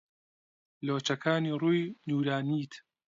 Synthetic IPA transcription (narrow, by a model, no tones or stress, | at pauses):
loːt͡ʃɐkʰaːniːruːjnuːɾaːniːt̪